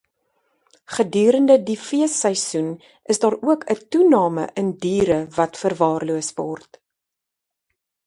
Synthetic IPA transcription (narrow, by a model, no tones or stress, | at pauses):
χədyːɾəndədifiəsəjsun | ʔəsdɑːɾuəkʰətunɑːmə̰ʔəndiːɾəvɐtfərvɑːrluəsvɑ̰ːrt